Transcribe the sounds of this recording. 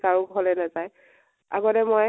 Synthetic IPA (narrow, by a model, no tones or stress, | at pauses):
kaɹʊbʱɔlɛnazaj | a̰ɡɔtɛmɔj